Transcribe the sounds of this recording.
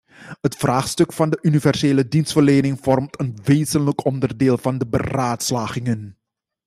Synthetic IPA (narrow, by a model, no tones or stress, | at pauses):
ɦətfraːχstɵkfɑndəʔynivɛrseːlədinstfərleːnɪŋv̥ɔrmtənʋeːzənləkɔndərdeːlˠvɑndəbə̰raːtslaːχɪŋən